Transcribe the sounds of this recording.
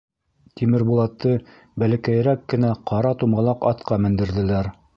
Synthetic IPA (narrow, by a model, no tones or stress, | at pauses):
t̪imɘɾbulˠɑt̪ːɤ | bælæ̆kæj̆ɾækːɘ̆næqʰɑɾɑt̪umʁɑlˠɑqɑt̪qɑmɘ̆nd̪ɘ̆ɾðɘ̆læɾ